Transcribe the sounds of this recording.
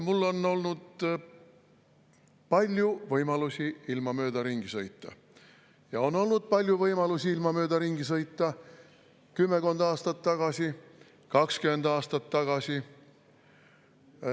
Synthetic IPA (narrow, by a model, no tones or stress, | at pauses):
mulːo̞no̞lnud̪̥ | pɑlʲjuvɤjmɑlusiilmɑmø̞ːd̪ɑɾiŋɡ̥isɤjt̪ˑːɑ̰ | jɑo̞no̞lnud̪̥̚pɑlʲjuvɤjmɑlusʲiilmɑmø̞ːd̪ɑriŋɡ̥is̬ɤjt̪ˑːɑ | kymːeko̞nd̪ɑːst̪ɑt̪ːɑɡ̥ɑsʲi | kɑkskyme̞nd̪ɑːst̪ɑt̪ːɑɡ̥ɑsi